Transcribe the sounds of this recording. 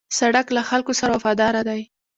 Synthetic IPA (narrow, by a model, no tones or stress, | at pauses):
saɽaklaxalkosaɾawafɑd̪ɑɾad̪aj